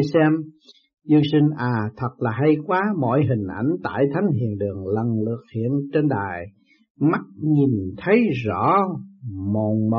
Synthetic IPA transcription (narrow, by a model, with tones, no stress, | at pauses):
sɛ˧m | zɨ˧əŋsï˧ŋ̟ʔaː˨˩t̪ʰə˨˩t̚laː˨˩ɦa˧jkwaː˨˦mɔ̰˧˨jɦï˨˩ŋ̟ʔa̰˧˩jŋ̟t̪a̰ː˧˨jt̪ʰa˨˦jŋ̟ɦḭ˧˨ənɗɨ˨˩əŋlə˨˩ŋlɨ̰˧˩ək̚hḭ˧˨ənt͡ɕe˧nɗa̰ː˨˩j | ma˦˥t̚ɲi˨˩nt̪ʰə˨˦jzɔ̰˧˥ | mo˨˩ŋm˧